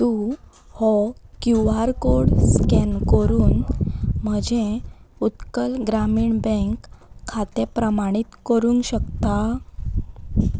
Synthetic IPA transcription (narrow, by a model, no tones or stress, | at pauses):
t̪u | hɔkjuʋaɾkoɽskɛnkəɾuːnm̤əd͡ʑeut̪kəlɡɾamiːɳbə̃ŋkʰːat̪epɾəmaɽ̃it̪kəɾũŋkɕəkt̪a